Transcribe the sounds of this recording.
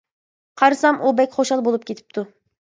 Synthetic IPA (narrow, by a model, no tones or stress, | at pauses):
qʰɑɾɨsɑmubɛkʲχoʃɑlˠbolˠup̚kʲʰet̪ʰɪ̥p̚t̪ʰu